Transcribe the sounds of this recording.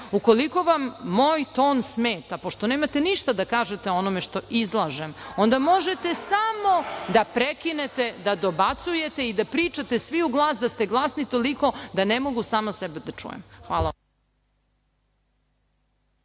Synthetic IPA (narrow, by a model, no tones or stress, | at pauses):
uko̞liko̞ʋamːo̞ːjt̪o̞ːnsmeːt̪apo̞ʃt̪o̞ne̞ːmat̪e̞niʃt̪ad̪akaːʒet̪eo̞nomeʃt̪o̞ʔizlˠaʒemo̞nd̪amo̞ʒet̪e̞samo̞d̪apɾekinet̪e̞d̪ad̪o̞bat̪suje̞t̪e̞id̪apɾiːt͡ʂat̪esʋiuɡlˠaːsd̪ast̪eɡlˠasnit̪o̞liko̞d̪anemo̞ɡusaːmasɛbed̪at͡ʂṵjḛmxʋaːlˠa